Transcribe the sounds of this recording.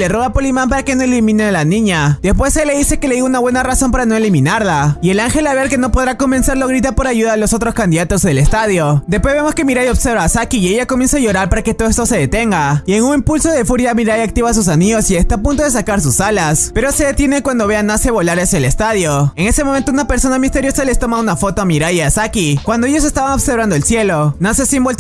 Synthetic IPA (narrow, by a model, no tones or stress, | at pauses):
le̞roapolimãmpaɾake̞no̞elimĩnealanĩɲad̪e̞spwe̞selːeðise̞ke̞le̞ðiɣunaβwe̞naraso̞mpaɾano̞e̞limĩnaɾlaie̞laŋxe̞laβeɾke̞no̞po̞ðɾako̞mbe̞nseɾlo̞ɣɾit̪apo̞ɾaʝuðaːlo̞so̞t̪ɾo̞skand̪iðat̪o̞ze̞le̞st̪aðjo̞d̪espwe̞zβe̞mo̞ske̞miɾajo̞βseɾβasakiːeʝakomje̞nsaʝo̞ɾaɾpaɾake̞t̪oðest̪ose̞ðe̞t̪e̞ŋɡaie̞ŋuŋimpulso̞ð̞e̞fuɾjamiɾajak̚t̪iβas̬us̬aniʝo̞sie̞st̪aːpunt̪o̞ðe̞s̬akaɾs̬usalaspe̞ɾo̞se̞ðe̞t̪jenekwand̪o̞βe̞anːase̞βo̞laɾasjaele̞st̪aðjo̞e̞ŋe̞se̞moment̪ounape̞ɾso̞namist̪e̞ɾjo̞sale̞st̪o̞maunafo̞t̪o̞amiɾajiasakikwand̪oejo̞s̬e̞st̪aβaŋo̞βseɾβand̪o̞elsje̞lo̞nasesiembolt̪